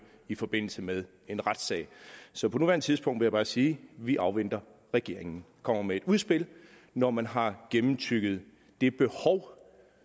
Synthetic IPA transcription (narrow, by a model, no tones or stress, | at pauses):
ifɒ̽b̥e̝n̰l̩səmeð̞ˠ | e̝nʁad̥sɛ̰ɪsɒ̽pʰɒ̽nuʋæɐnət͡sʰið̞ˠsb̥ɔ̽ŋ̰d̥ʋejab̥ɑ̈ːsiːʋiʔɑ̈ʊʋen̰d̥ɐ | ʁɛɡ̥e̝ɐ̰e̝ŋn̩ | kʰɒ̽m̰ɐmee̝d̥uðˠsb̥e̝l | nɒmænɦɑ̈ɡ̥emm̩t͡sʰyɡ̥ð̞̩ˠ | d̥e̝b̥e̝hɒʊ